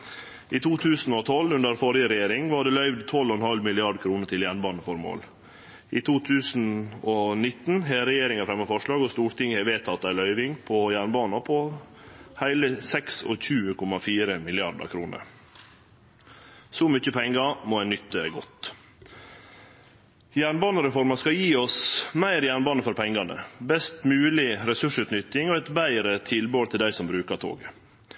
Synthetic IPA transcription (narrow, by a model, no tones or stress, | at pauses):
ʔiːt̪ʰuːt̪ʰʉːsn̩ɔt̪ʰɔlːʉnd̪əɾfɔɾɪəɾɛjeːɾɪŋʋɑːɖeːlœʏʋd̪t̪ʰɔlːɔɛnhɑlmɪlɪɑɖkʰɾuːnət̪ʰɪljæːɳbɑːnəfɔɾmo̰ːl | ʔiːt̪ʰuːt̪ʰʉːsn̩onɪt̪n̩ɦeːɾɛjeːɾɪŋɑfɾɛmːɑfɔʂɭɑːɡɔst̪uːɾʈ̪ɪŋːəhɛʋeːt̪ʰɑt̪ːæɪlœʏʋɪŋpʰɔjæːɳbɑːnɑpʰɔ | hæɪləsɛksɔ̰çʉːəkʰɔmɑfiːɾəmɪlɪɑɖə̰kʰɾuːnə̰ɾ | sɔmʏc͡çəpʰɛŋɡɑmoːænʏt̪ːəɡɔt̪ | jæːɳbɑːnəɾɛfɔɾməskɑjiːɔsmæɪɾjæːɳbɑːnəfɔɾpʰɛŋːɑnə̰bɛst̪mʉːlɪɾɛsʉʂʉːt̪nʏt̪ːɪŋɔɛt̪bæɪɾət̪ʰɪlboːlt̪ʰɪld̪æɪsɔmbɾʉːkət̪ʰo̰ːɡə